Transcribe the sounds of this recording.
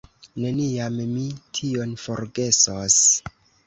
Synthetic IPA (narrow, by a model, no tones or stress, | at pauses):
ne̞niammitʰio̞nfo̞ɾɡe̞sos